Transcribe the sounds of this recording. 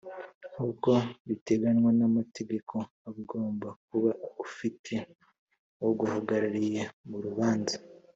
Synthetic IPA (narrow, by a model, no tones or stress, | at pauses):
huko̞βite̞ɡanwanamate̞ɡe̞kʰo̞ | aβuɡo̞ːmbak̚uβaufitʰe̞ | oɡuhaɡaɾaɾije̞muɾuβaːnzḁ